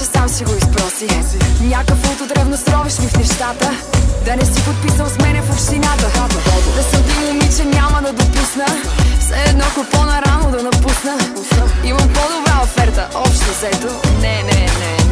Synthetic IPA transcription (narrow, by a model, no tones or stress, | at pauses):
samsiɡoispɾɔsinʲakəkvot̪ot̪ɾɛbnosɾɔviʃmifnɛʃt̪at̪əd̪ɐnɛsipot̪̚pisəmsmɛnɛfopʃt̪inat̪əd̪ɛsɐmt̪ɐmʊmit͡ʃɛnʲamɐd̪ɐd̪opusnəsɛd̪nɔkopɔnɐɾanod̪ɐnɐpusnə | imɐmpɔd̪obɾaofɛɾt̪əɔpʃt̪ozɛt̪onɛnɛnɛ